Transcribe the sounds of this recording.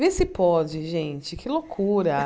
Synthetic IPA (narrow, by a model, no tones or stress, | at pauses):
vesɪpɔd͡ʒɪʒẽt͡ʃɪkɪlokʰuɾɐ